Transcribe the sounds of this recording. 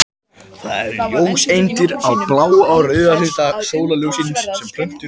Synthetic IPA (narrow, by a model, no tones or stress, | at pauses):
θa̰ðɛ̰ɛɾjoːwsejnt̪ɪɾawplaːwawrœːɣalʏːt̪asoːwlalowsinssɛmpʰɾ̥œɥm̥t̪ʏ